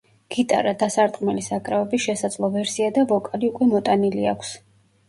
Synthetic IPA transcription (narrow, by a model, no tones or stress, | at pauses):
ɡ̥it̪ʼa̰ɾad̪asaɾt̪ʼqʼmɛlisakʼɾavɛbisʃɛsad̪zlˠɔvɛɾsiad̪avɔkʼaliukʼwɛmɔt̪ʼaniliakʷʰs